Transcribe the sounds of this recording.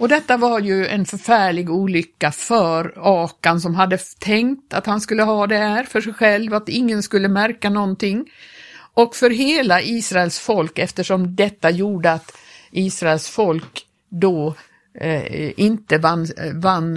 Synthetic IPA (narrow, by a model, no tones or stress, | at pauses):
ɔd̪ɛt̪ːavaɾjɵɛ̰nfœɾfæːɭɪɡuːlʏkːafœɾɑːkansɔmɦad̪ːət̪ʰɛŋkt̪at̪hanskɵlːəɦɑːd̪ɛhæːɾfœʂɛjɧɛlvat̪ɪŋːənskɵlːəmæɾkanɔnt̪ɪŋːʔɔkfœɾɦeːlaʔiːsɾaɛlsfɔlkɛft̪əʂɔmd̪ɛt̪ːajuːɖəat̪ʔiːsɾaɛlsfɔlk | d̪ɔ | ʔɪnt̪əvanvanː